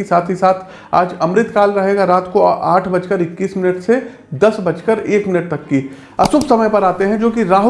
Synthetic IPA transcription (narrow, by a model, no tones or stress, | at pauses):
isaːt̪ʰɦisaːt̪ʰ | a̰ːd͡ʒɐ̃mɾɪt̪kaːlɾɐɦeːɡaɾaːt̪koaːʈʰbɐt͡ʃkəɾɪkːiːsmɪnəʈse | d̪ɐsbɐt͡ʃkəɾeːkmɪnəʈ̚t̪ɐkːi | ɐsʊbsɐməjpɐɾaːt̪eɦɛ̃d͡ʒoːkiɾaːɦ